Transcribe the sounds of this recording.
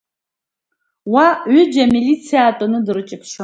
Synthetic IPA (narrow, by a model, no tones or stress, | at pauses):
waɥʏd͡ʒamilit͡sʰijaːtʼɔnɨdɨɾɨt͡ʃʼɪpʰʃa